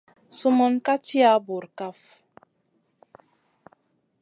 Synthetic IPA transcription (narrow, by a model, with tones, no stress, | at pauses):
su˦mɔ˦nka˦ti˦a˦bu˨ɾka˦f